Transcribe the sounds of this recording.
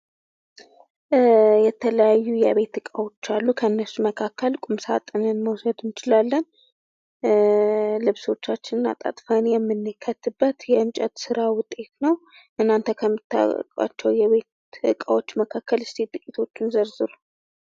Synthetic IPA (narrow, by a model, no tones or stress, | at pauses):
jɛt̪ʰələjajːujɛβe̞t̪ɨkʼawo̞t͡ʃːalːukʰəɨnːəsːuməkʰakːəlkʼumsat̪ʼɨnɨnməwsəd̪nɪt͡ʃɪlalːən | lɨβso̞t͡ʃːat͡ʃːɪnɨna̰t̪ʼa̰t̪ʼfənjɛmːɨnːɨkʰːət̪ːɨbːət̪jɛɨmt͡ʃʼɛt̪sɨɾawʊt̪ʼe̞t̪nəw | ʔɨnːant̪ʰəkʰəmːɨt̪ʰːa̰kʼa̰t͡ʃːɛwjɛβe̞t̪ | ɨkʼawo̞t͡ʃːməkʰakːəlɨst̪it̪ʼɨkʼit̪ʰo̞t͡ʃːɪnzəɾzɨɾu